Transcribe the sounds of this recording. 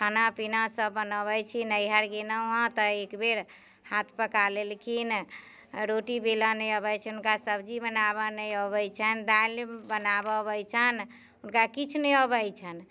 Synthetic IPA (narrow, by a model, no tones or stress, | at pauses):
kʰanapinasəbːənəbəjt͡ʃʰinəjɦaɾɡenəɦãt̪əekbeɾ | hat̪ʰpəkalelkin | ɾoʈibelanəjəbət͡ʃʰɛunkasəbd͡ʒibənabənəjəbəjt͡ʃʰənd̪albənabəbəjt͡ʃʰən | unkakit͡ʃʰunɛəbəjt͡ʃʰən